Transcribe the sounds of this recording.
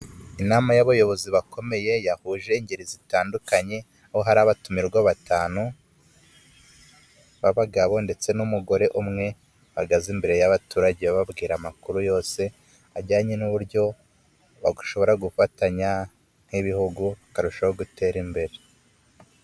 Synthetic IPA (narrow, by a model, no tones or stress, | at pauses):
inaːmajaβajo̞βo̞ziβakʰo̞me̞je̞jahuːʒe̞iɲɟeɾizitaːndukaɲe̞ | ahoɦaɾaːβatumiɾɡwaβataːnu | βaβaɡaβo̞nde̞t͡se̞numuɡo̞ɾe̞ʔumŋe̞ | βaɡazimbe̞ɾe̞jaβatuːɾaɟeβaβabɡiːɾamakuɾujo̞ːse̞ | aɟaːɲenuβuɾɟo̞ | βaɡu̥ʃo̞βo̞ɾaɡufataɲa | n̥hiβihuɡuβakaɾuʃahoɡute̞ːɾimbe̞ɾe̞